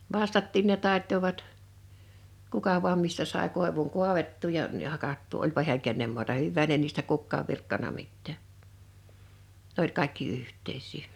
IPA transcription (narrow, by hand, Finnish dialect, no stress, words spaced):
ʋɑstɑtːiːn ne tɑˑetːoʋɑt kukɑ ʋu̞ɑm mistæ sɑˑe koˑeʋuŋ kuɑʋetːuː jɑ m̩ jɑ hɑkɑtːuː olʲpɑ hi̞æŋ kenːem muɑtɑ hyʋːæːn ne niːstæ kukːɑːʋ ʋirkːɑnɑ mitːæː nĕ olʲ kɑˑekːi yhtˑeisˑiː